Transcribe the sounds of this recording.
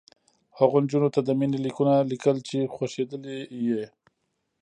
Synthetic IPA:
haɣond͡ʒunot̪ad̪əminilikunalikəlt͡ʃexwaʃed̪əleje

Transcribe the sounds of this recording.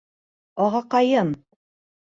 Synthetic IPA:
ɒʁɑqɑjɤm

